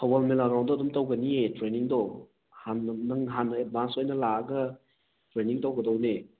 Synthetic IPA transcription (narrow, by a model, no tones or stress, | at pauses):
hʰawalmelaɾawndɔɐdumtɐwɡɐnietɾeniŋdɔ | hanːɐŋɦanebansojnɐlaɐɡɐ | tɾeniŋtɐwɡɐdɐwne